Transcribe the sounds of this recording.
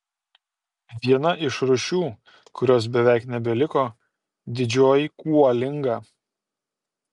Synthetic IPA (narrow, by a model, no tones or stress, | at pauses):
ʋʲiɛnɐʔɪʃɾʊʃʲuː | kʊɾʲoːs̬bʲɛʋʲæˑɪknʲɛbʲɛlʲɪkoː | d̪ʲɪd͡ʒʲoːjɪkuɔlʲɪŋɡɑː